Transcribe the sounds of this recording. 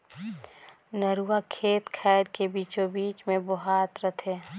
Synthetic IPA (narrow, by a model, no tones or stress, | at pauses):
nəɾuakʰeːt̪kʰɛːɾkebit͡ʃobiːt͡ʃmẽbɔɦaːt̪ɾət̪ʰeː